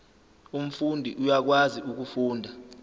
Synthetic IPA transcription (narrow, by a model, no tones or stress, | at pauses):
um̩fundʱiʔujak̬waziuk̬ufuːndʱa